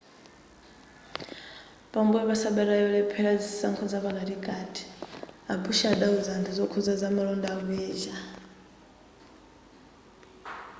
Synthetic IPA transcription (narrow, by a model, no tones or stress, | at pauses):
βambuɛβasaɓɛɾajɔlɛpʰɛɺad͡zisaŋkʰɔd͡zaβaɡaɾiɡʼadʰʼi̥abʰuʃaɗauzandizɔkʰuzad͡zamaɺɔndaβɛːʒa